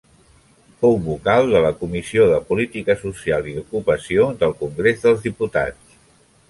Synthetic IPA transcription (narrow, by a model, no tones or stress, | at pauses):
fowβukalˠd̪ələkumisioðəpulit̪ikəsusialˠiðukupəsiod̪əlˠkuŋɡɾezðəlˠzðiput̪a̰t͡ss